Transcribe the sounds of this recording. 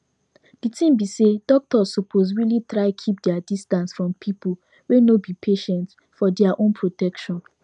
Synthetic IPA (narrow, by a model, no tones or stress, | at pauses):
d̥itĩmbisedɔk̚tɔssopʰos̬ɹilitɹaɪkʰip̚dɛadistãnsfɹɔ̃mpʰipu | wenobipʰeʃɛ̃nt | fɔdɛaʔõnpʰɹotɛkʃɔ̃n